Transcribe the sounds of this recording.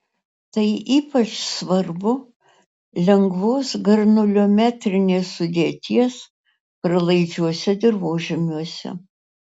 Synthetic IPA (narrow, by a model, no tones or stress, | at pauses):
t̪ɐɪʔiːpɐt͡ʃsʋɐɾbʊ | lʲɛŋɡʋoːsɡɐɾnʊlʲoːmʲæːt̪ʲɾʲɪnʲeːsːʊd̪ʲeːt̪ʲiɛs | pɾɐlˠɐɪd͡ʒʲuɔsʲɛd̪ʲɪɾʋoːʒʲɪmʲuɔsʲɛ̰